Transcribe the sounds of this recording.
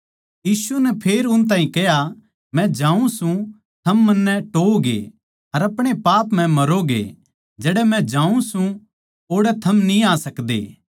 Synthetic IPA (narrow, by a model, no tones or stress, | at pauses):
jiːsunɛpʰeːɾʊnt̪̬ãːɦĩkɛɦja | mɛ̃d͡ʒãːũsũ | t̪ʰɐmːɐnːɛʈoːɡḛ | ɐɾɐpɽ̃epaːpm̤ɛ̃mɐɾoɡḛ | d͡ʒɛːɽɛmɛ̃d͡ʒãːũsũ | oːɽɛt̪ʰɐmnĩaːsɐkd̪ḛː